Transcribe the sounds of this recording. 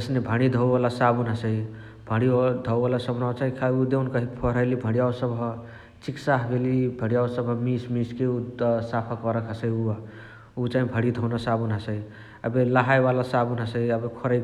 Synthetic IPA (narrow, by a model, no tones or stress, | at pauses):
əsnebʱəɽ̃id̪ʱəbalasabunɦasəi | bʱəɽid̪ʱɔbalasəbnawt͡ʃaɦĩkʰaud̪eunkəɦipʰɔɾəlibʱəɽijawsəbɦɔ | t͡ʃiksaɦbelibʱəɽijawsəbmismiskeut̪sapʰakɔɾəkʰasəiua | ut͡ʃaɦĩbʱəɽid̪ʱɔwnasabunasəi | əbelaɦajbalasabunɦəsəɦiəbekʰɔɾəj